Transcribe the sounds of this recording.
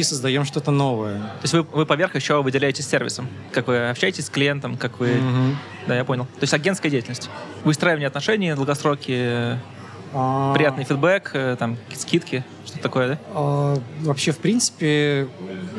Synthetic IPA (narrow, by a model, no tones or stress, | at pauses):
isəzd̪ɐjomʂt̪o̞t̪ənovəjət̪oɪsʲtʲvɨvɨpɐvʲe̞rxjɪɕːovɨdʲɪlʲæjɪtʲɪsʲsʲːervʲɪ̰səm | kakvɨɐpɕæjɪtʲɪsʲsklʲɪjent̪əmkakvɨɦ̩ | d̪ajapo̞nʲɪlˠt̪oɪsʲtʲɐɡʲent̪kədʲeɪtʲɪlnəsʲtʲ | vɨst̪ɾajɪvənʲɪːɐt̪nɐʂɛnʲɪəd̪lˠɡɐst̪ɾokʲɪə | apɾʲɪjat̪nɨjfʲɪd̪̚bɛkət̪amkkʲi̥t̪əskʲit̪kʲɪ | ʂt̪ot̪ət̪ɐko̞jəd̪aavɐpɕːefpɾʲinsɨ̥pʲɪ